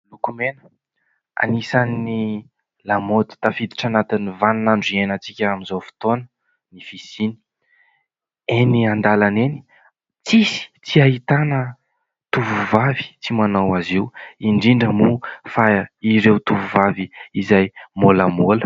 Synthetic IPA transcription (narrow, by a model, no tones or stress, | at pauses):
lukumenə̥ | a̰nisanːi | lamot̪u̥t̪afid̪i̥ʈ͡ʂanat̪inivannaɳɖ͡ʐienət͡sikʲəaminzowfi̥t̪onə̥ | nifisini̥ | eniand̪alaneni̥ | t͡sisi̥t͡siaɦit̪anə | t̪uvuvavi̥t͡simanawaziwiɳɖ͡ʐiɳɖ͡ʐəmufaiɾewt̪uvuvaviizajmoləmolə̥